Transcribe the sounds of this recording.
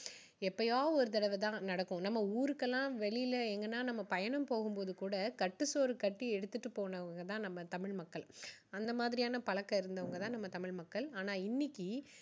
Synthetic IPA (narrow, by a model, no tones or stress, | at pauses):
ɛpːɐjaːɔɾɯt̪̬ɐɽɐʋɯt̪ãːnɐɽɐkːʊ̃nɐmːɐuːɾɯkːɛlːãːʋɛɭɪjɪlɐɛŋɡɐnːaːnɐmːɐpɐjɐnɐmpoːɣɯmpoːðɯkuːɽɐkɐʈːɯsoːɾɯkɐʈːiɛɽɯt̪ːɯʈːɯpoːnɐʋɐŋɡɐt̪ãːnɐmːɐt̪ɐmɪɻmɐkːɐɭɐnd̪ɐmaːðɪɾɪjaːnɐpɐɭɐkːɐɪɾɯnd̪ɐʋɐŋɡɐt̪ãːnɐmːɐt̪ɐmɪɻmɐkːɐɭaːnaːɪnːɪkːi